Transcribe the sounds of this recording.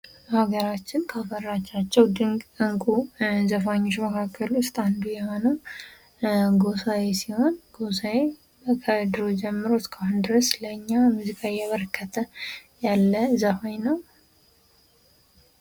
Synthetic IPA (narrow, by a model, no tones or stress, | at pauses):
haɡəɾat͡ʃːɪnkʰafərːat͡ʃːat͡ʃːɛwd̪ɨɨŋkʼuzəfaɲːoʃməkʰakʰːəlwʊst̪ʼand̪ujɛho̞nəw | ɡo̞sawesiho̞nɡo̞s̬awe | kʰəd̪ɨɾo̞d͡ʒɛmːɨɾo̞skʰahʊnd̪ɨɾəsləɨɲːamuzikʼajɛβəɾkʰːət̪ʰəjalːəzəfajnəw